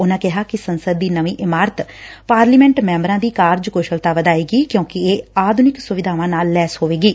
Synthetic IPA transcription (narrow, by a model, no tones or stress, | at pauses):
ʊnãːkɪɦaːkɪsənsəd̪ːiːnəʋĩːʔɪmaːɾət̪paːɾliːmɛ̃ːɳʈmɛ̃ːmbəɾãːd̪iːkaːɾd͡ʒkoːʃəlt̪aːʋəd̪aːeːɡiːkjõːkɪeːaːd̪ʱʊnɪksʊʋɪd̪ʱaːʋãːnaːlːɛːsɦoːʋeːɡiː